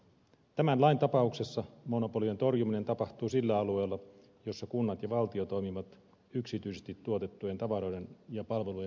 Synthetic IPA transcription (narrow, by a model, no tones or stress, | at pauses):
t̪æmænlɑint̪ɑpɑukse̞sːɑmo̞no̞po̞liet̪o̞rjumine̞nt̪ɑpɑht̪uːsilːæɑlue̞ːlːɑ | jo̞sːɑkunːɑt̪jɑʋɑlt̪io̞t̪o̞jmiʋɑt̪ | yksit̪yise̞st̪it̪ːuo̞t̪e̞t̪ːuje̞nt̪ɑʋɑɾo̞jde̞njɑpɑlʋe̞luje